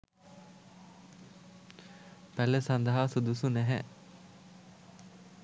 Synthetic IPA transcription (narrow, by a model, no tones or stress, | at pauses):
pælːəsand̪aɦasud̪usunæɦæ̰